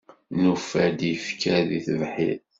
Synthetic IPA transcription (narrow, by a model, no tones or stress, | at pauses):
nufæd̪jəfkæðiθvħḭð